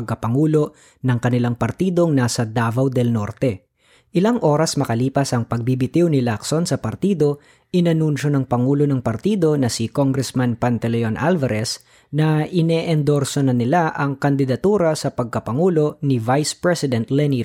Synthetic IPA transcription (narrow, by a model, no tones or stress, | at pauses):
ɡ̚kɐpɐŋuːlo̞ | nɐŋkɐnɪlaŋpɐɾt̪iːd̪o̞ŋnaːsɐd̪aːvɐwd̪ɛlno̞ɾt̪ɛ | ʔɪlaŋʔo̞ːɾɐsmɐkɐliːpɐsɐŋpɐɡ̚bibɪt̪iwnɪlaksonsɐpɐɾt̪iːd̪o̞ | ʔɪnɐnunʃo̞nɐŋpɐŋuːlo̞nɐŋpɐɾt̪iːd̪o̞nɐsɪkoŋɡɾɛsmanpɐnt̪ɛlɛonʔalvɐɾɛs | nɐʔɪnɛʔɛnd̪oɾsonɐnɪlaʔɐŋkɐnd̪ɪd̪ɐt̪uːɾɐsɐpɐɡ̚kɐpɐŋuːlo̞nɪvajspɹɛsɪd̪ɛnt̪lɛni